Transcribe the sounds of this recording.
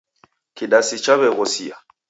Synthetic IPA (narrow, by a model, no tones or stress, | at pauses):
kiɗasit͡ʃaβɛɣɔsia